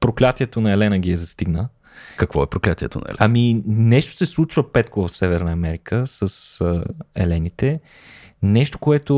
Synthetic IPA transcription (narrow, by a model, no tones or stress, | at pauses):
pɾoklʲat̪iɛt̪onɐɛlɛnəɡʲiɛzɐst̪iɡnə | kəkvɔɛpɾoklʲat̪iɛ̰t̪o̰nɐ̰ɛ̰lɛɐminɛʃt̪o̥sɛslˠut͡ʃvəpɛt̪kovɐfsɛvɛɾnɐɐmɛɾikʰəsəs | ɛ̰lɛnit̪ɛ | nɛʃt̪o̥koɛt̪o